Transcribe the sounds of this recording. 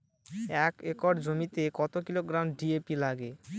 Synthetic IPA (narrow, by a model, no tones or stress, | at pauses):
ɛkekɔɖd͡ʑomit̪ekɔt̪okiloɡɾamɖiepilaɡe